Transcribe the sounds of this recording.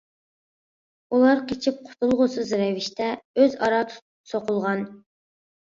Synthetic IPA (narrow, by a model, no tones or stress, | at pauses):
ulˠɑɾqʰet͡ʃʰip̚qʰʊ̥t̪ʰulˠʁʊsɨzɾɛvɪʃt̪ʰɛøzɑɾɑt̪ʰu̥t̪ | soqʊlˠʁɑn